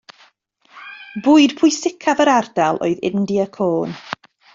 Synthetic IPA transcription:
bʊːɨd̥pʰʊjsɪkʰavəɾardɛlˠo̰ɨðɪ̰ndiəkʰoːn

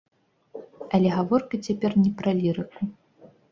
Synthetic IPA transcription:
ɐlʲɛɣavɔrkɐt͡sʲapʲɛrnʲɛpɾɐlʲiɾɨku

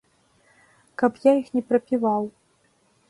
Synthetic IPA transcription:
kɐpjaixnʲɛpɾɐpʲivaw

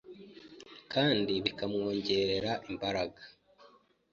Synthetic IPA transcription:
kʰaːndiβikamŋo̞ːɲɟe̞ɾe̞ɾaʔimbaɾaɡḁ

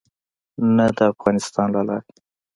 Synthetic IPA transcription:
nad̪əafɣɑnɪst̪ɑnlalɑ̰ɾ

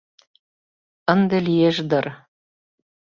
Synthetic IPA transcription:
ə̆nd̪ĕlijeʒd̪ɤ̆r

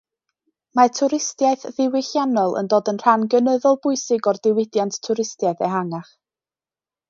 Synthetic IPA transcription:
matʰʊɾɪstjaɨθðɪwɪɬjanɔlˠə̰ndoːdənr̥anɡənəðɔlˠbʊɨsɪɡɔrdɪwɪdjanttʰːʊɾɪstjaɨθɛɦaŋaχ

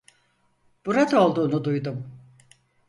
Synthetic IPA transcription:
b̥uɾat̪o̞lˠd̪uːnud̪ujd̪um

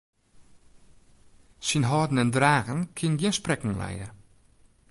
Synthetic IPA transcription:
sinɦɔːdn̩ɛndraːɣənkʰɪnɡiənsprɛkŋ̩lɛ̰jə̰

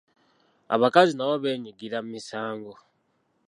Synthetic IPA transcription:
a̰βakazinaβoβe̞ːɲiɡiɾammisaːŋɡo̞

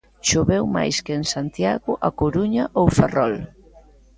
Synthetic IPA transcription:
ʃoβewma̰jskeŋsant̪jaɣʊʔakoɾuɲaʔowferɔl

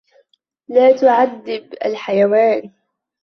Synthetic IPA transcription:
laːt̪ʊʕad̪ːɪba̰lħajawaːn

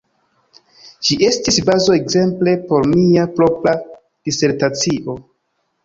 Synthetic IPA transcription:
d͡ʒiʔe̞stisbazoekze̞mple̞po̞ɾmiapɾo̞pɾa | d̥ise̞ɾtat͡siʔo̞

